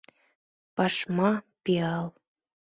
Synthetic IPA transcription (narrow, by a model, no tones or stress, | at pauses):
pɑʃmɑpiɑl